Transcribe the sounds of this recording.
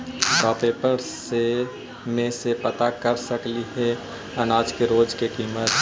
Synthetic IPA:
ɡaːpeːpəɾse | mẽsepɐt̪akəɾsəkliɦɛ | ɐnaːd͡ʒkeɾoːd͡ʒkekiːmət̪

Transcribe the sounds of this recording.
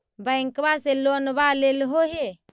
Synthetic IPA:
bəŋkbaselonbalelɦoɦe

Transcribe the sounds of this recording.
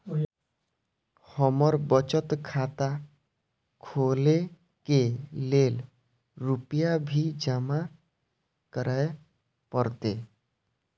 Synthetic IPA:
hɔmɔɾbɔt͡ʃət̪kʰat̪a | kʰole | kelel | ɾupijabʱid͡ʒama | kəɾae | pɔɾt̪e

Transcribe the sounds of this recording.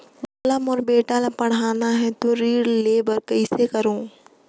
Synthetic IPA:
boːləmɔːɾbeːʈalapɐɽ̤aːnaɦɛt̪oɾiːɽleːbəɾkɐɪsekɐɾõː

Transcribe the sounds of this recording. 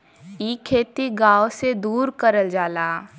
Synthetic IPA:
iːkʰːeːt̪iɡaːwsed̪uːɾkəɾəld͡ʒaːlaː

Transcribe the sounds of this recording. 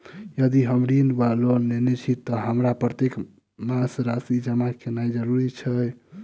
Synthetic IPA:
jəd̪iɦəmɾinbalonnenet͡ʃʰit̪ɔɦəmɾapɾət̪ek | mãsɾasid͡ʒəmakenajd͡ʒəɾuɾit͡ʃʰəj

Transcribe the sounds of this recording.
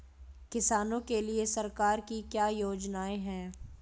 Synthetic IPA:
kɪsaːnõkeliesɐɾkaːɾkikjaːjoːd͡ʒnaːẽɦɛ̃ː

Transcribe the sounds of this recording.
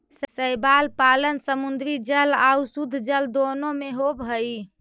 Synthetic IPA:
ssəjbalpalənsəmund̪ɾid͡ʒəlausud̪ʱd͡ʒəld̪onomeɦobɦəi

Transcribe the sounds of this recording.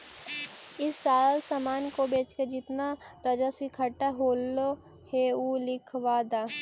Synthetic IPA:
ɪsːaːlsamaːnkobeːt͡ʃkəɾd͡ʒɪt̪naɾɐd͡ʒaswikʰɐʈaɦoːlːo | heulɪkʰʋaːd̪aː

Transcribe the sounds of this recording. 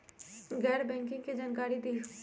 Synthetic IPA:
ɡɛːɾbɛ̃ːŋkɪ̃ŋɡkid͡ʒankaːɾid̪eː

